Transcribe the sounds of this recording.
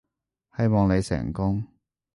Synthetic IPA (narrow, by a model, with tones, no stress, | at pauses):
hɐ˨jmɔː˨ŋne˨˧jsɛ̰ː˨˩ŋkʊ˥ŋ